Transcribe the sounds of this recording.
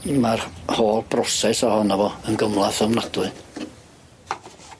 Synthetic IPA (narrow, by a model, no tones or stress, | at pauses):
marhoːlˠb̥rɔsɛsɔhɔnavɔənɡəmlˠaθɔmnad̥wɨ